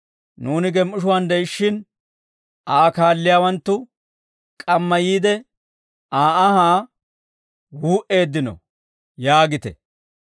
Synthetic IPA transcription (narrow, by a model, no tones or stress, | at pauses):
nuːnɪɡɛmʔʊʃ̬ʊwand̪ɛjʃːɪn | ʔaːkaːlːɪjaːwɐnt̪ːʊ | kʼɐmːɐjiːd̪ɛ | ʔaːʔɐhaː | wuːʔe̞ːd̪ːɪnɔ̰ | jaːɡɪt̪ɛ̰